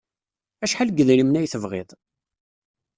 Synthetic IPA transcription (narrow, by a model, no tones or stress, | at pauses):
æʃħalɡəðɾimnæjθəvʁɪ̰ðˤ